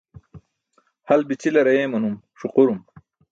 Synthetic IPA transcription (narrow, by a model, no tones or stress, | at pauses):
hɐlbit͡ɕilɐɾɐjeːmɐnum | ʂuquɾum